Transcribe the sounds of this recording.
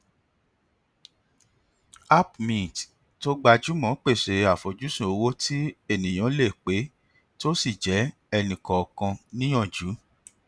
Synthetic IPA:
a˦pmĩ˨t | to˦ɡ͡ba˧d͡ʒu˨˦mɔ̃˨˦k͡pe˦˨ʃe˨a˨fo˨d͡ʒu˨˦sũ˦˨o˧wo˦ti˦e˦˨nĩ˨j̃ã˨˦le˦˨k͡pe˨˦ | to˦si˦˨d͡ʒɛ˨˦ | ɛ˧nĩ˨kɔ˨ɔ˨kã˧nĩ˦j̃ɔ̃˦˨d͡ʒu˨˦

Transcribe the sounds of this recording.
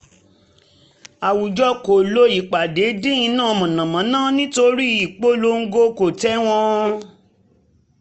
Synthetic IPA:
a˨wu˨d͡ʒɔ˧˦ko˨lo˧˦i˨k͡pa˨de˨˦dĩ˦ĩ˧nãː˦˨˧mɔ̃˨nã˨mã˨˦nãː˦˨nĩ˦to˧ɾi˦i˨k͡po˦lo˦ŋ̩˦ɡo˦ko˨tɛ˦w̃ɔ̃˧

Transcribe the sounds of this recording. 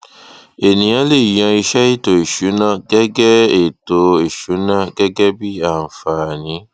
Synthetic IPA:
e˨nĩ˨jã˨˦le˦˨jã˧i˧ʃɛ˦i˦to˨i˨ʃu˨˦nã˦˨ɡɛ˦ɡɛ˦e˨to˧e˨ʃu˨˦nã˦˨ɡɛ˦ɡɛ˦bi˦a˦˨n̩˨fa˨nĩ˨˦

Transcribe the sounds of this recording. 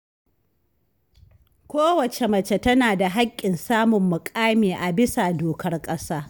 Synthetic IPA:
kʷoː˦wɐ˨t͡ʃe˨mɐ˨t͡ʃe˨tɐ˦naː˨da˨ɦa˦kʲʼːɪ˨nsaː˦mʊ˨mːʊ˨kʼaː˦miː˨ʔa˨bɪ˦sa˨doː˨kɐ˦rkʼɐ˦saː˦

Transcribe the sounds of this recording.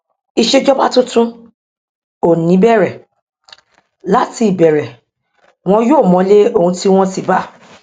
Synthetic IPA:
i˧ʃe˦d͡ʒɔ˦ba˦tũ˦tũ˦ | o˨nĩ˨˦bɛ˦˨ɾɛ˨ | la˦ti˧i˨bɛ˨ɾɛ˨ | w̃ɔ̃˦joː˦˨mɔ̃˨˦le˦o˦˨ũ˧ti˦w̃ɔ̃˦si˨ba˦˨

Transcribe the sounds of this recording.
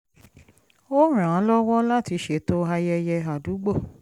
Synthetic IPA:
o˦ɾ̃ã˨˦lɔ˦wɔ˦la˦ti˨˧ʃe˧˨to˦a˧jɛ˧jɛ˧a˨du˨˦ɡ͡bo˦˨

